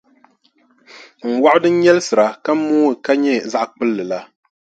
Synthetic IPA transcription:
ŋ̩˨wa˦ʔʊ˦dɨ˦n̩˦ɲɛ˦lɨ˦sɨ˨ɾa˨ka˦m˦mːuː˦ɨ˨ka˦ɲɛ˦za˦ʔk͡pɨ˦lːɨ˨la˦

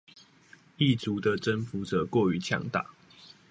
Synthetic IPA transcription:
i˥˨t͡su˨˦d̪ə˨ʈ͡ʂə˦nfu˨˦t͡sə˨˩kwɔ˥˨y˨˦t͡ɕʰjɑ̰˧˥ŋt̪a̰˨˩˦

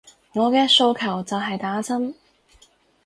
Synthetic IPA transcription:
ŋɔː˨˧kɛː˧so˧wkʰɐ˨˩wt͡sɐ˨wɦɐ˨jt̪aː˨˥t͡sʰɐ˥m

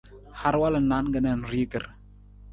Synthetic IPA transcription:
ha˦ɾwa˦lə˨na˦nɡə˨na˨n˨ri˦kə˨r

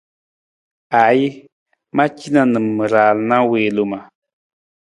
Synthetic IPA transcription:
a˨˦ji˦ | mã˦t͡ʃi˦nã˧nɨ˨mːɨ˨ɾa˨lnã˦we˨lu˧ma˨

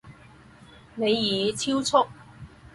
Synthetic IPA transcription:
ne˨˧jjiː˨t͡sʰiː˥wt͡sʰʊ˥k̚

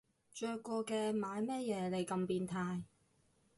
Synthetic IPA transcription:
t͡ʃœː˧kːɔː˧kɛː˧maː˨˧jmɛː˥jɛː˨˧le˨˧jkɐ˧mpiː˧nt̪ʰaː˧j

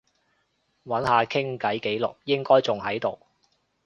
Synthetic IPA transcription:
wɐ˨˥nhaː˨˧kʰɪ˥ŋkɐ˨˥jke˨˥jlʊ˨k̚jɪ˥ŋkɔː˥jt͡sʊ˨ŋhɐ˨˥jt̪o˨w

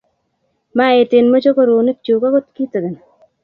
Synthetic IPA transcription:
ma˦e˨tɪ˨nmo˦t͡ʃo˦ko˦˨ɾo˨ne˦k̚t͡ʃu˨ka˦ko˦t̪ki˦t̪o˨ɡɪ˨n

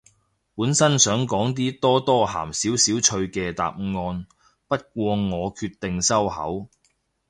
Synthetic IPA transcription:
puː˨˥nsɐ˥nsœː˨˥ŋkɔː˨˥ŋt̪̬iː˥t̪ɔː˥t̪ɔː˥ɦa̰ː˨˩msiː˨˥wsiː˨˥wt͡ʃʰɵ˧ɥkɛː˧t̪a̰ː˨p̚ŋɔː˧n | pɐ˥t̚k̚ʷɔː˧ŋɔː˨˧kʰyː˧t̪ɪ˨ŋsɐ˥whɐ̰˨˥w

